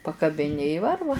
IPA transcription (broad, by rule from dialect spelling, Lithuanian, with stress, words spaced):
pɐkɐbʲɪˈnʲɪ ɪ ˈʋɐrʋɐ